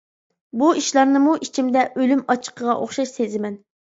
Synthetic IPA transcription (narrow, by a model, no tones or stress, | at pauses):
buiʃlˠɑɾnɨmuʔit͡ʃʰimd̪ɛʔølymɑt͡ʃʰːə̥qʰəʁɑ̰ʔoχʃɑʃsezɪmɛn